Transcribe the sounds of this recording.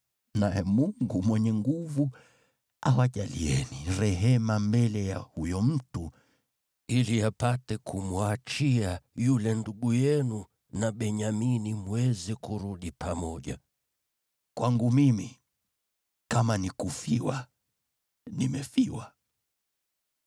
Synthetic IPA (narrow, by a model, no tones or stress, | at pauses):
najɛmuŋɡumwɛɲɛŋɡuvu | awaʄalḭɛniɾɛɦɛmambɛlɛjahujɔm̩tu | iliapatɛkʰumwat͡ʃiajulɛnduɠujɛnu | naɓɛɲaminimwwɛzɛkuɾuɗipʰamɔʄa | kwʔaŋɡumimi | kamanikufiwa | nimɛfiwa